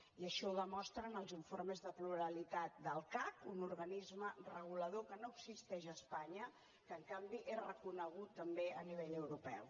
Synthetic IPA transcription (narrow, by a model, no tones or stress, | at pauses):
iəʃɔuðəmɔst̪ɾənəlˠziɱforməzðəpluɾəlit̪at̪̚d̪əlˠkakunuɾɣənizmərəɣ̞uləð̞okənoəɡsist̪ɛʒəspaɲə | kəːŋkambiʔerəkunəɣ̞ut̪ːəmbeəniβ̞eʎəwɾupɛw